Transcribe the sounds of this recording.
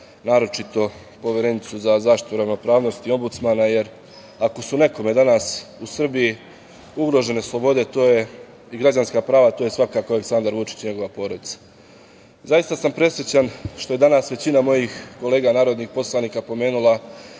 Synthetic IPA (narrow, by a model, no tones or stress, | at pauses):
naːɾo̞t͡ʃit̪o̞ | po̞ʋjeɾe̞nit̪suzazaːʃt̪i̥t̪uɾaʋno̞pɾaːʋno̞st̪io̞mbut̪smanaje̞ɾ | ako̞sune̞ko̞me̞d̪anasusr̩biji | uɡɾo̞ʒe̞ne̞slˠo̞bo̞d̪e̞t̪o̞ːje̞ | iɡɾad͡ʑanskapɾaːʋat̪oje̞sʋakaːkoaleksand̪aɾʋut͡ʃi̥t͡ɕɲe̞ɡo̞ʋapo̞ːɾo̞d̪it̪sḁ | zajist̪asampɾe̞sʋjet͡ɕanʃt̪oe̞d̪anasʋe̞t͡ɕinamo̞jixko̞le̞ːɡanaːɾo̞d̪nixpo̞slˠaniːkapo̞me̞ːnulˠa